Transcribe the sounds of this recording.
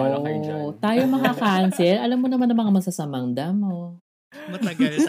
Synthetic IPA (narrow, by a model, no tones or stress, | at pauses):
oʔot̪aːjomɐŋakansɛlʔɐlamːonɐmanːɐmɐŋamɐɡ̚sasɐmɐŋd̪ɐmo